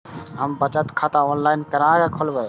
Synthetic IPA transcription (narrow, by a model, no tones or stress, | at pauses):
ɦəmbət͡ʃət̪kʰat̪aonlainkəɾaɡekʰolbəj